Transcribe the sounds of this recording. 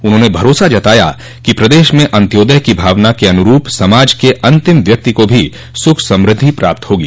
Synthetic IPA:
ʊnɦõːnebʱɐɾoːsad͡ʒɐt̪aːja̰ | kipɾɐd̪eːʃmẽʔɐ̃nt̪joːd̪əɦkibʱaːʋnakiɐnʊɾuːpsɐmaːd͡ʒkeʔɐ̃nt̪ɪmʋjɐk̚t̪ikobʱi | sʊkʰsɐ̃mɾɪd̪ʱːipɾa̰ːp̚t̪ɦoːɡiː

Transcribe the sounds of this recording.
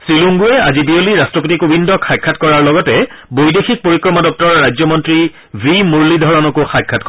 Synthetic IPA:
sɹiluŋɡuɛa̰zibioliɹastɹɔpotikobindɔkʰajkʰːatkɔɹaɹlɔɡɔtɛ | bojdexʰik̚poɹikɹɔmadɔk̚tɔɹɔɹajzɔmɔntɹi | vimuɹlidʱɔɹɔnɔkoxajkʰːatkɔ

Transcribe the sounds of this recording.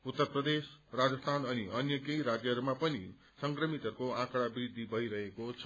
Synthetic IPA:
ut̪ːʌrprʌd̪esrad͡zʌst̪ʰanʌniʌnjʌkejɾad͡zjʌɦʌɾumapʌni | sʌŋkrʌmit̪ʌɾukoãkɽabrid̪ʱːibʱʌiɾʌɦekot͡sʰʌ

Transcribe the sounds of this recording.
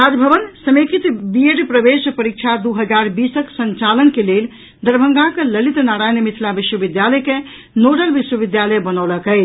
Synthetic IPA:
ad͡ʒbʱəʋənsəmekit̪bieɖpɾəbespəɾik̚t͡ʃʰad̪uɦəd͡ʒaɾbisəksənt͡ʃalənkelel | d̪əɾbʱəŋɡãkələlit̪naɾajnəmit̪ʰlabiswəbid̪jaləke | noʈəlbiʃwəbid̪jaləjbənəwləkəɪ

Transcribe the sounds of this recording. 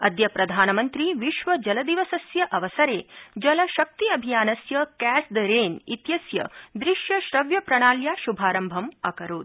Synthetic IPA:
ɐd̪jɐpɾɐd̪ʱaːnɐmɐnt̪ɾiʋiʃʋɐd͡ʒɐlɐd̪iʋɐsɐsjɐʔɐʋɐsɐɾeːd͡ʒɐlɐʃɐk̚t̪iɐbʱijaːnɐsjɐkæːsd̪ɐɾeːnit̪jɐsjɐ̰d̪ɾiʃjɐʃɾɐʋjɐpɾɐɳ̃aːljaːʃubʱaːɾɐmbʱɐmɐkɐɾuːd̪

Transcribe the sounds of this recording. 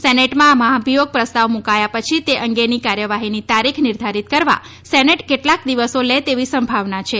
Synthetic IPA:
sɛneʈmãmaɦaəbʱijoɡ̚pɾəst̪aʋmũkajapət͡ʃʰit̪eʔəŋɡenikaɾjəʋaɦinit̪aɾikʰniɾd̪ʱaɾit̪̚kəɾʋa̰ | sɛneʈkeʈlakd̪iʋəsolet̪eʋisəmbʱaʋnat͡ʃʰe

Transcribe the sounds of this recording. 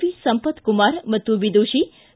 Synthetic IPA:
ʋisəmpət̪kumaɾmət̪ubid̪uʃi

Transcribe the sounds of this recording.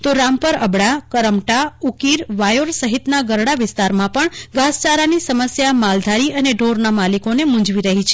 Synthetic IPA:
t̪oɾãmpəɾəbɽakəɾəmʈaukiɾʋajoɾsəɦit̪naɡəɾɽaʋɪst̪aɾmãpəɳɡʱast͡ʃaɾanisəməsjamald̪ʱaɾiəneɖʱoɾnamalikonemũd͡ʒʋiɾəɦit͡ʃʰe

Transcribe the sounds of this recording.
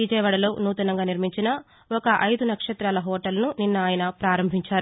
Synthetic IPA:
ʋid͡ʒɐjʋɐɽɐlo̞ːnuːt̪ɐnɐŋɡaːniɾmiɲt͡ʃinɐ | ɔkɐʔɐjd̪unɐkʂɐt̪ɾaːlɐɦɔːʈɐlnuninːɐaːjɐnɐpɾaːɾɐmbʱiɲt͡ʃaːɾu

